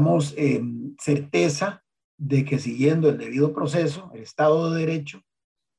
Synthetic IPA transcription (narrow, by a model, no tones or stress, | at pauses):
mosemseɾt̪e̞sa | ðe̞ke̞siɣje̞nd̪oe̞ld̪e̞βiðopɾo̞s̬e̞s̬o̞elest̪aðoðeðeɾe̞t͡ʃo